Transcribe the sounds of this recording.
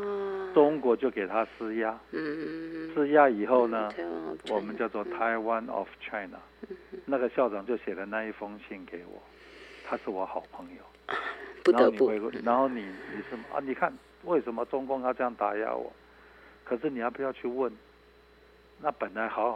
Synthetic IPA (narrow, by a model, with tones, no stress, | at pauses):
ʈ͡ʂʊ˥ŋkwɔ˧˥t͡ɕjo˥˩ʊke˨˩ɪt̪ʰa˦sɹ̩˥ja˦˥ | ʂɹ̩˥ja˦˥i˨˩xo˥˩ʊnə˩wɔ˨˩mə˨˦nt͡ɕjɑ˥˧ʊt͡swɔ˥˩t̪ʰa˧˦ɪwa˦nɔ̰˨˩ft͡ɕʰa˦ɪna̰˨na˥˨˩ɡə˨ɕjɑ˥˩ʊʈ͡ʂɑ˨˩ŋt͡ɕjo˥˩ʊɕjɛ˨˩lə˦na˥˧i˥˩fɑ˥ŋɕi˥˩nke˧˥ɪwɔ̰˨˩˦ | t̪ʰa˦ʂɻ̩˥˩wɔ˧˦xɑ˨˩ʊpʰə˧˥ŋjo˨˩˦ʊ˧˨ | no˥˧˨ni˨xwe˥˧ɪkna˧˥nxo˥˩ʊni˨˩ni˨˩ʂɻ̩˥˩m̰˨ni˨˩kʰa˥˨n | we˥˩ɪʂə˧˥nmə˨ʈ͡ʂʊ˥ŋkʊ˥˧ŋt̪a˥ʈ͡ʂɤ˥˧jɑ˥˩ŋt̪a˧˥ja̰˥wɔ̰˨˩˦ | kʰə˨˩ʂɻ̩˥˩ni˨˩ja˧˥ɪpu˧˦jɑ˥˧ʊt͡ɕʰy˥˧wə˥˩n | na˥˩pə˨˩nla˧˦ɪxɑ˧˥ʊx